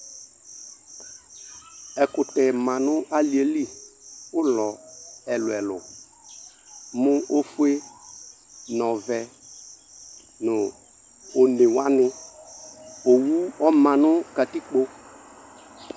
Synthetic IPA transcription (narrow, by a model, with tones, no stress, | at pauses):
ɛ˨kʊ˨tɛ˨mã˨nʊ˦ʔa˦li˨e˨li˦ʊ˦lɔ˨ɛ˨lʊ˨ɛ˨lʊ̰˨ | mʊ˦o˦fu˦e˦ | nɔ˨vɛ˨ | nʊ˨ | o˨ne˨wa˦nɪ˦ | o˨wu˦ɔ˦mã˨nʊ˦ka˨ti˦k͡po˦